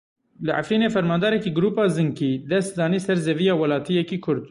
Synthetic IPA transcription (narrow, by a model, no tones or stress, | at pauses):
lɨʔa̰fɾiːneːfɛɾmɑːnd̪ɑːɾɛkiːɡʊɾuːpɑːzɨŋkiːd̪ɛst̪̚d̪ɑːniːsɛɾzɛvijɑːwɐlɑːt̪ʰijɛkiːkʰʊɾd̪